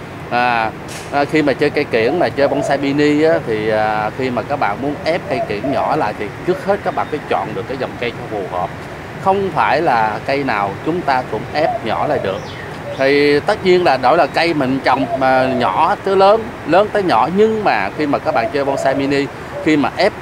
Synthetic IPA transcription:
ʔaː˨˩ | ʔxi˧maː˨˩t͡ɕəː˧jka˧jki˧˩ənmaː˨˩t͡ɕəː˧jvɔ˧nsa˧mi˧ni˧ʔaː˨˦t̪ʰi˨˩ʔaː˨˩xi˧maː˨˩kaː˦˥k̚ɓa̰ː˧˨nmu˨˦ənʔɛ˦˥p̚ka˧jkḭ˧˩ənɲɔ˧˩la̰ː˧˨jt̪ʰi˨˩t͡ɕɨ˦˥ək̚he˦˥t̚kaː˦˥k̚ɓa̰ː˧˨˩fa˨˦jt͡ɕɔ̰˧˨nɗɨ˨˩əkːaː˨˦jzə˨˩wŋ͡mka˧jt͡ɕɔ˧fu˨˩həː˨˩p̚ | xə˧wŋ͡mfaː˧˩jlaː˨˩kə˧jnaː˨˩wt͡ɕʊ˨˦ŋ͡mt̪aː˧kʊ̰˧˥ŋ͡mʔɛ˦˥p̚ɲɔ˧˩la̰ː˨jɗɨ˨˩ək̚ | t̪ʰi˨˩t̪ə˦˥t̚ɲi˧ənlaː˨˩ɗo̰˧˩˦jla˨˩kə˧jmï˨˩ŋ̟t͡ɕə˨˩wŋ͡mːɲɔ̰˧˩˦t̪ɨ˨˦ləː˨˦n | ləː˨˦nt̪əː˨˦jɲɔ̰˧˩˥ɲɨ˧ŋmaː˨˩xi˧maː˨˩kaː˦˥k̚ɓa̰ː˧˨t͡ɕəː˧jvɔ˧nsaː˧mi˧ni˧ | xi˧maː˨˩ʔɛ˦˥p̚

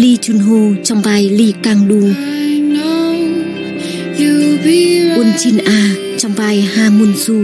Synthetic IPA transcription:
li˧t͡ɕu˧˩˨nɦo˧˩t͡ɕɔ˧˩ŋ͡mbaː˧˩jliː˧˩ka˧˩ŋɗuː˧˩ | no | ju˧bu˧ənt͡ɕi˧nʔaː˧ | t͡ɕɔ˧˩ŋ͡mbaː˧jhaː˧˩mu˧˩˨nsu˧

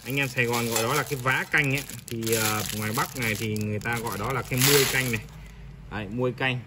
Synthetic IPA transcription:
ʔa˧jŋ̟ʔaː˧msaː˧jɣɔ˨˩nɣɔ̰˧˨jɗɔ˨˦laː˨˩kaː˨˦jvaː˨˦ka˧jŋ̟ʔaː˨˦t̪ʰi˨˩əː˨˩ŋwaː˨˩jɓa˦˥k̚na˨˩jt̪ʰi˨˩ŋɨ˨˩əjt̪aː˧ɣɔ̰˧˨jɗɔ˨˦laː˨˩kaː˨˦jmu˧əjka˧jŋna˨˩j | ʔəː˨˩mu˧əjka˧jŋ̟

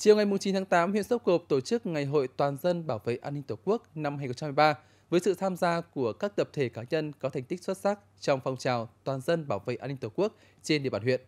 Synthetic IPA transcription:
t͡ɕi˨˩əwŋa˨˩jmu˨˩ŋ͡mt͡ɕi˨˦nt̪ʰaː˨˦ŋt̪aː˨˦mhwḭ˧˨ənso˦˥p̚ko˨˩p̚t̪o˧˩t͡ɕɨ˦˥k̚ŋa˨˩jɦo̰˧˨jt̪waː˨˩nzə˧nɓaː˧˩wvḛ˧˨jʔaː˧nːi˧ŋ̟t̪uː˨˩ku˦˥ək̚na˧mha˧jxə˧ŋ͡mt͡ɕaː˧˨˩jɓaː˧ | vəː˨˦jsɨ̰˧˨t̪ʰaː˧mzaː˧ku˧˩əkaː˦˥k̚t̪ə˨˩p̚t̪ʰe˧˩kaː˨˦ɲə˧nkɔ˨˦t̪ʰa˨˩jŋ̟t̪i˦˥k̚swt̚sa˦˥k̚ | t͡ɕɔ˧wŋ͡mfɔ˧wŋ͡mt͡ɕaː˨˩wt̪waː˨˩nzə˧nɓaː˧˩wvḛ˧˨ʔaː˧nːi˧ŋ̟t̪wku˦˥ək̚ | t͡ɕe˧nɗi˧˨ɓaː˧˩ɦwḭ˧˨ən

